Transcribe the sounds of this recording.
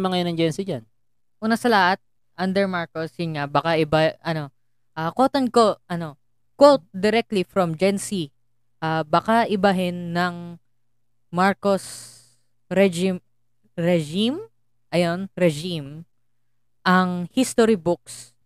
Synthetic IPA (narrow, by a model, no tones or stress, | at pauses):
mɐŋɐjonɐŋd͡ʒɛnsid͡ʒan | ʔuːnɐsɐlɐhat̪̚ | ʔɐnd̪ɛɹmaɹkosjʊnŋabakaʔɪbaʔɐno̞ | ʔakot̪ɐnko̞ʔɐno̞ | kwot̪̚d̪ɛɾɛk̚t̪lifɾomd͡ʒɛnsi | ʔaːbakaʔɪbɐɦɛnːɐŋ | maɹkos | ɾɛd͡ʒim | ɾɛd͡ʒim | ʔɐjonɾɛd͡ʒim | ʔɐŋhist̪oɾibʊk̚s